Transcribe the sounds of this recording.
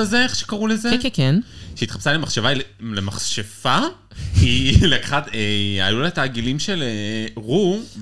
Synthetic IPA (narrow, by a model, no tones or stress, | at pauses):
azeeχʃekaʁulezekenʃeit̪χḁpsalemaχʃevalelemaχʃefa | ileχat̪ea̰julataːɡilimʃe̞leʁu